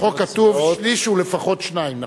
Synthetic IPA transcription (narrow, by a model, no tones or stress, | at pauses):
okat̪uvʃliʃulefaχo̞t̪ʃnaimna